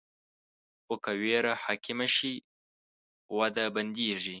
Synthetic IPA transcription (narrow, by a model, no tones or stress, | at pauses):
okaweɾahaːkɪmaʃi | wad̪aband̪eːʐi